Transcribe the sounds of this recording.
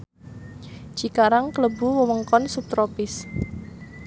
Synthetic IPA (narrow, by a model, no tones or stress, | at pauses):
ʒ̥ikaɾaŋkələbuwəwəŋkɔnsup̚t̪ɾopɪs